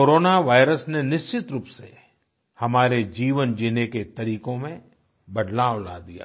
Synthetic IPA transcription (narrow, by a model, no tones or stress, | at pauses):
koːɾoːnaʋaːɪɾəsnenɪʃt͡ʃɪt̪ɾuːpsḛ | hɐmaːɾed͡ʒiːʋənd͡ʒiːneket̪ɐɾiːkõmẽ | bɐɖ̪lala̰ːd̪ija̰ː